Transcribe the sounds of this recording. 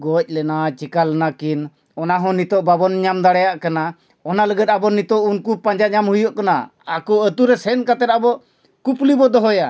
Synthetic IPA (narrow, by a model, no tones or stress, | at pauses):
ɡɔc̚ˀlɛnat͡ʃikalnakin | ɔnaɦɔ̃nit̪ɔʔbabɔnɲamd̪aɽɛjaʔkana | ɔnaləɡəd̪̚abɔnit̪ɔʔunkupãɲd͡ʒaɲamhujɔʔkanaakɔət̪uɾɛsɛnkat̪ɛt̪̚abɔʔ | kuplibɔd̪ɔɦɔja